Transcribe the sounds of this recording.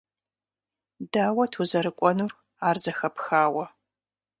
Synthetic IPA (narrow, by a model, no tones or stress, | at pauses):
daːwɐtʰuzɐɾɨkʷʼɔnuːr | aːrzɐxɐpxaːwɐ